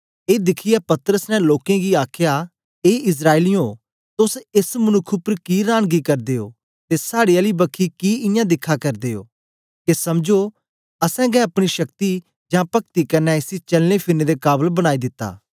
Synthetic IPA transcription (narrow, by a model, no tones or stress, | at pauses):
eːd̪ɪkʰɪjapɐt̪əɾəsnɛ̃loːkẽɡiaːkʰja | eːɪs̬ɾaːɪlijõ | t̪ʊsɪsmʊnʊkʰːʊpɾkiɾaːɽ̃ɡikɐɾd̪eːo̰ː | t̪esaːɽiɐlibɐkʰːikiɪ̃jãːd̪ɪkʰːakɐɾd̪eːo̰ː | kesɐmd͡ʒo | ɐsɛ̃ɡɛɐpɽ̃iʃɐkt̪i | d͡ʒãːpɐk̚t̪ikɐnːɛɪsit͡ʃɐlnepʰɪned̪ekaːbəlbəɽ̃aːid̪ɪt̪ːa̰ː